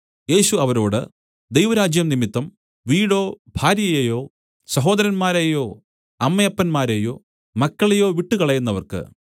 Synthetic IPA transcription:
je̞ːɕuɐʋɐɾo̞ːɽɨ̰ | d̪ejʋɐɾaːd͡ʑjɐmnimit̪ːɐm | ʋiːɽo̞ːbʱaːɾjɐjejo̞ː | sɐɦo̞ːd̪ɐɾɐnmaːɾejo̞ː | ɐmːɐjɐpːɐnmaːɾejoː | mɐkːɐɭejo̞ːʋiʈːukɐɭɐjunːɐʋɐ̰rkɨ̰

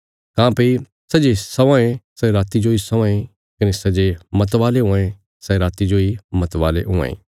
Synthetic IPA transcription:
kãːpɐi | sɐd͡ʒesɐʋãːẽsɛɾaːt̪id͡ʒoisɐʋãːẽ | kɐnesɐd͡ʒemɐt̪ʋaːleɦʊ̃ãẽ | sɛɾaːt̪id͡ʒoimɐt̪ʋaːlḛɦʊ̃ã̰ḛ̃ː

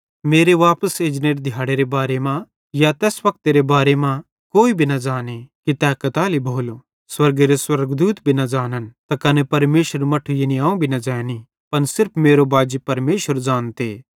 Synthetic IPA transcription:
meːɾeʋaːpəseːd͡ʒneːʈd̪ʱɪjaːɽeɾebaːɾemã | jat̪ɛːsʋɐk̚t̪eɾebaːɾemã | koːibʱinɐd͡ʒaːnekit̪ɛːkɐt̪aːlibʱoːlo | swɐɾɡeɾeswɐɾɡd̪uːt̪bʱinɐd͡ʒaːnənt̪ɐkɐnepɐɾmeːʃəɾmɐʈʰujeniaːũbʱinɐd͡ʒaːni | pɐnsɪɾpʰmeːɾobaːd͡ʒipɐɾmeːʃəɾd͡ʒaːnt̪eː

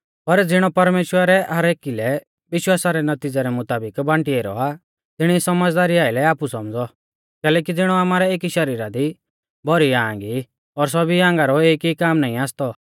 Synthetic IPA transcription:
pɐɾd͡zɪɽ̃ɔpɐɾmeːʃwəɾɛʔaɾeːkilɛ | ʋɪʃwaːsaɾɛnɐt̪id͡zaɾɛmʊt̪aːbɪkbãɳʈieɾɔ̰a | t̪ɪɽ̃isɐməd͡zd̪aːɾiaːɪlɛaːpusɔmd͡zɔ | kɛːlɛːk̬id͡zɪɽ̃ɔaːmaːɾɛeːkiʃɐɾiːɾad̪i | bʱɔɾiãːŋɡi | ɔɾs̬ɔbiãːŋɡaɾɔeːkikaːmnaːĩaːst̪ɔ

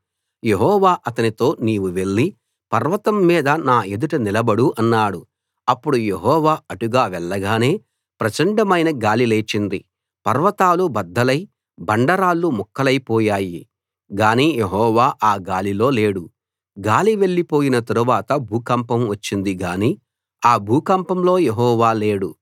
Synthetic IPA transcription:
je̞ɦɔːʋaːʔɐt̪ɐnit̪o̞ːniːʋuʋe̞ɭːi | pɐɾʋɐt̪ɐmːiːd̪ɐnaːe̞d̪uʈɐnilɐbɐɽuʔɐnːaːɽu | ɐpːuɽuje̞ɦɔːʋaːɐʈuɡaːʋɛɭːɐɡaːne̞ː | pɾɐt͡ʃɐɳɖɐmɐjnɐɡaːlile̞ːt͡ʃind̪i | pɐɾʋɐt̪aːlubɐd̪ːɐlɐj | bɐɳɖɐɾaːlːumɔkːɐlɐjpɔːjaːji | ɡaːniːjeɦɔːʋaːʔaːɡaːlilo̞ːle̞ːɽu | ɡaːliʋe̞ɭːipo̞ːjinɐt̪ɐɾuʋaːt̪ɐbʱuːkɐmpɐmʋɐt͡ʃːind̪iɡaːniː | aːbʱuːkɐmpɐmlo̞ːjeɦɔːʋaːle̞ːɽu

